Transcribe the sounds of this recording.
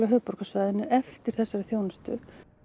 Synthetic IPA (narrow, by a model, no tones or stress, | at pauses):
laɦœːpɔɾ̥kasvaːjðɪnːɪʏʔɛft̪ɪɾ̥θɛsːaɾɪθjownast̪ʏ̰